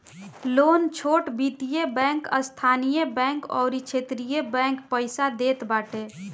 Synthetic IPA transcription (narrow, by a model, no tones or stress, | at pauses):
lont͡ʃʰoʈbit̪ijebɛ̃ŋkə̰st̪ʰanijebɛ̃ŋkɔ̰ʊɾit͡ʃʰet̪ɾijebɛ̃ŋkpəɪsad̪et̪baʈe